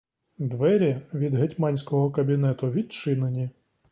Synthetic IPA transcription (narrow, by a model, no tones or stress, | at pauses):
d̪ʋɛɾʲɐʋʲid̪ɦetʲmɑnʲsʲkɔɦɔkɐbʲinɛt̪ʊʋʲit̪̚t͡ʃɪnenʲi